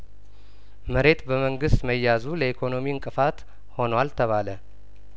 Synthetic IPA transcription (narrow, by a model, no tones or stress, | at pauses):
məɾe̞t̪bəməŋɡɨst̪məjːazuləikʰo̞no̞miɨŋkʼɨfat̪ | ho̞nwalt̪ʰəβalə